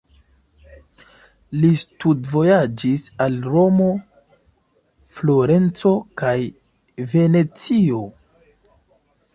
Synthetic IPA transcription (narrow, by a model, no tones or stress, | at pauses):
listudvo̞jad͡ʒisalɾo̞mo̞ | flo̞ɾe̞nt͡so̞kaj | ve̞ne̞t͡sio